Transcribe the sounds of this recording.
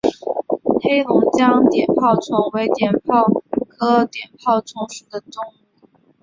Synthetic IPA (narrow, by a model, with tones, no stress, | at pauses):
he˥ɪlʊ˧˥ŋt͡ɕjɑ˥ŋt̪jɛ˨˩npʰɑ˥˩ʊt͡sʰwɑ˧˥ŋwe˧˥ɪt̪jɛ˨˩npʰɑ˥˩ʊkʰɤ˥t̪jɛ˨˩npʰɑ˥˩ʊt͡sʰʊ˧˥ŋʂu˨˩d̪ə˦ʈ͡ʂʊ˥˩ŋ˨